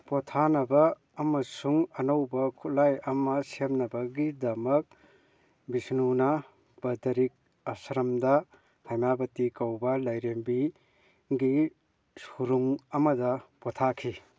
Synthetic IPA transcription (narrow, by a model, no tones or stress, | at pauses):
potʰanɐbɐː | mɐsuŋɐnowbɐkʰutlajɐmɐsemnɐbɐɡidɐmɐk̚ | bisnunɐ | b̥ɐdɐɾik̚ | ɐsɾɐmdɐ | hajmabɐtikɐwbɐlɐjɾembi | ɡi | suɾuŋɐmɐdɐpɔtʰakʰi